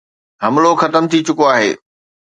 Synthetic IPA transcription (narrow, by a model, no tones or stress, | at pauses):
ɦɐmloxɐt̪əmt̪ʰit͡ɕʊkoaːɦḛː